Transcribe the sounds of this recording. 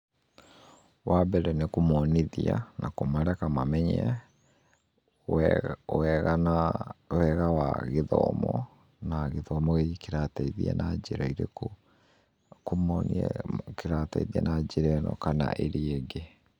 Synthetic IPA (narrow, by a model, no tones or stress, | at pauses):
wabɛɾɛnekomɔniðia̰nakomaɾɛkamamɛɲɛ | ɣnawɛɣawa̰ɣeðɔ̰mɔ̰ | naɣeðɔmɔekeɾataiðḭɛ̰nad͡ʑeɾaiɾeko | komɔnɛ̰keɾata̰iðiɛ̰nad͡ʑeɾɛnɔ̰kana̰ʔeɾieɡe